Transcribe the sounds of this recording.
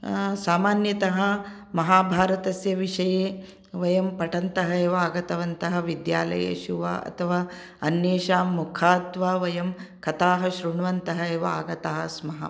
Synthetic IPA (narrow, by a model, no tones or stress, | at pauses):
saːmaːnjɐt̪ɐɦɐ | mɐɦaːbʱaːɾɐt̪ɐsjɐʋiʂɐjeː | ʋɐjɐmpɐʈɐnt̪ɐɦɐeːʋɐaːɡɐt̪ɐʋɐnt̪ɐɦɐ̆ʋid̪jaːlɐ̰jḛːʃuʋa̰ːʔɐ̰t̪ʰɐʋaː | ɐnjeːʃaːmːukʰaːt̪ʋaːʋɐjɐmkɐt̪aːɦɐʃɾuɳɐʋɐnt̪ɐɦɐeːʋɐa̰ːɡɐt̪aɦɐsmɐɦɐ̰